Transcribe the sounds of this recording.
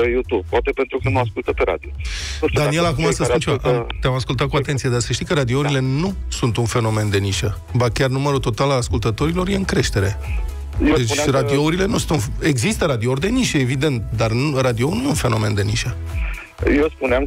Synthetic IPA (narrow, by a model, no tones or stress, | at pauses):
ejut̪ub̚pwat̪e̞pent̪ɾukənuaskult̪əpeɾa̰d̪iod̪anie̞lakumasəspunt͡ʃivaʔət̪eamaskult̪at̪̚kuat̪e̞nt̪sijed̪asəʃt̪ikəɾad̪iouɾile̞nusunt̪unfe̞no̞me̞nd̪e̞niʃə | bakʲarnuməɾut̪o̞t̪alalaskult̪ət̪o̞ɾilo̞ɾje̞ɨŋkɾe̞ʃt̪e̞ɾe̞ | jd̪et͡ʃrad̪iouɾile̞nusunt̪une̞ɡzist̪əɾad̪iord̪e̞niʃəevid̪e̞nt̪d̪arnrad̪io̞ulnuunfe̞no̞me̞nd̪e̞niʃə | jespuneam